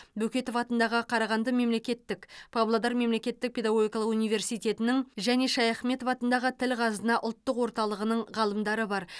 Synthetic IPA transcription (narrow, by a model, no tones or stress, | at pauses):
bɵkʲe̞t̪o̞fɑt̪ənd̪ɑʁəqʰɑɾɑʁɑnd̪əme̞mle̞kʲe̞t̪ːɪkpʰablˠod̪ɑɾme̞mle̞kʲe̞t̪ːɪk̚pʰʲe̞d̪ɑɡo̞ɡʲijkɑlˠəqunijve̞ɾsijt̪ʲe̞t̪ɪnɪŋʒæne̞ʃɑjɑχme̞t̪o̞fɑt̪ənd̪ɑʁət̪ʰɪlʁʰɑzənɑʔʊlˠt̪ːəqwo̞ɾt̪ɑlˠəʁənəɴʁɑlˠəmd̪ɑɾəbɑɾ